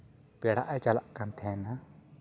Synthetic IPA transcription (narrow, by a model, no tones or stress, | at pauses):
pɛɽa̰ʔɛt͡ʃala̰ʔkant̪ʰɛna